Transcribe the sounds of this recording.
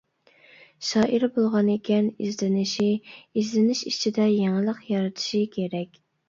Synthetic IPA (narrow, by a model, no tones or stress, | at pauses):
ʃɑːʔiɾbolˠʁɑnekʲʰɛnḭzlɪnɪʃiizlɪnɪʃit͡ʃʰid̪ɛjeŋɨlˠəqjɑɾɨt̪ʰu̥ʃikʲʰeɾɛkʲ